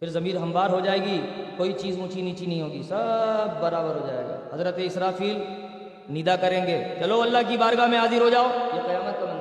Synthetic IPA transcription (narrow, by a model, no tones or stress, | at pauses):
fɪɾzɐmiːɾɦɐ̃mbaːɾɦod͡ʒaːeːɡikoːit͡ʃiːzmʊt͡ʃiniːt͡ʃinɐɦĩɦoːɡisɐbːɐɾaːbəɾɦod͡ʒa̰ːḛːɡa̰ːɦɐzɾət̪eɪsɾaːfiːl | nid̪akɐɾẽːŋɡeːt͡ʃɐloɐlːaɦk̬ibaːɾɡamẽaːzɪɾɦod͡ʒaːojeqɐjaːmət̪̚kɐnãː